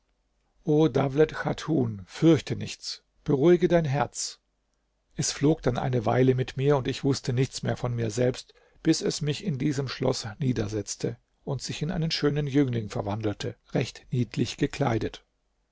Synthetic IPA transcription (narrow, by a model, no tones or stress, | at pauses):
ʔoːdablɛtxatʰuːnfʏɐçtənɪçt͡s | b̥əʁuɪɡədaɪnɦɛɐt͡s | ʔɛsfloːkd̥anʔa̰ɪnəva̰ɪləmɪtmiːɐʊntɪçv̥ʊstənɪçt͡smḛːɐfɔnmiːɐzɛlpst | b̥ɪsɛsmɪçɪndiːzəmʃlɔ̰sniːdɐzɛt͡stʰə | ʔʊntz̥ɪçɪnʔa̰ɪnənʃøːnənjʏŋlɪŋfɛɐvandl̩tʰəʁɛçtniːtʰlɪçɡ̥əkʰl̥a̰ɪdət